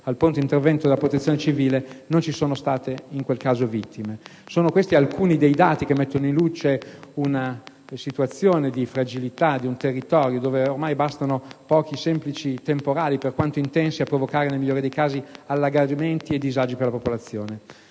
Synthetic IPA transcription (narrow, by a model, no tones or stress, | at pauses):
alpunt̪oint̪ervɛnt̪od̪elapɾot̪et̪sjonet͡ʃiviːlenont͡ʃisoːnost̪aːt̪eiŋkwelkaːzovit̪ːimesoːnokwest̪ialkʰuːnid̪ejd̪aːt̪ikemːet̪ːonoinlut͡ʃeuna | sit̪uat̪sːjoːned̪ifɾad͡ʒilit̪ad̪iunt̪erːit̪ɔːɾjod̪oːveormajbast̪anopɔːkisɛmplit͡ʃit̪empoɾaːliperkwant̪oint̪ɛnsiapːɾovokaːɾenelmiʎːoːɾid̪ejkaːzialːaɡament̪ied̪ːizad͡ʒiperlapopolat̪sːjoːne